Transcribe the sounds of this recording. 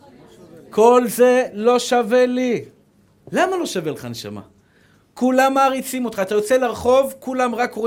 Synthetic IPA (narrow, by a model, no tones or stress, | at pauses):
kʰo̞lze̞lo̞ʃave̞li | lamalo̞ʃaveleχaneʃa̰ma̰ | kulamːaːʁit͡simo̞t̪χaːt̪ajo̞t͡selaʁχo̞vkulamʁako